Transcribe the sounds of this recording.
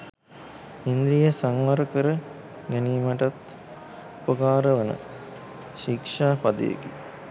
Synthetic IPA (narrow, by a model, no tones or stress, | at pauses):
ind̪ɾijəsaŋʋaɾəkəɾə | ɡæniːmaʈat̪ | upəkaːɾəʋənə̰ | ʃikʂaːpad̪ə̰jḛki